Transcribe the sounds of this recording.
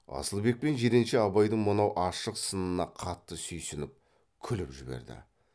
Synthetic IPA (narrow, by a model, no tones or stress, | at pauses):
ɑ̰səlˠbe̞k̚pe̞nʒe̞ɾenʃeɑbɑjd̪əɴmənɑwʔɑʃəqsənənɑqʰɑt̪ːəsɵjsʏnɪp̚ | kʲʰʏlɪpʒɪbe̞̰ɾd̪ɪ̰